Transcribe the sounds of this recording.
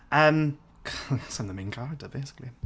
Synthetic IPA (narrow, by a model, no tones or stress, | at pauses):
ʔʌ̃m | kʰsʌ̃mðə̃mɪ̃nɡʰɑɹdəbeɪsɪ̥kli